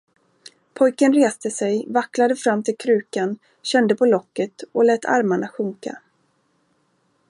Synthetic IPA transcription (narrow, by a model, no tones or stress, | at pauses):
pʰɔjkənɾeːst̪əsɛjvaklad̪əfɾamːt̪ʰɪlkʰɾʉ̟ːkan | ɕɛnd̪əpʰɔlɔkːət̪ɔlɛːt̪ʰa̰ɾmaɳaɧɵŋka̰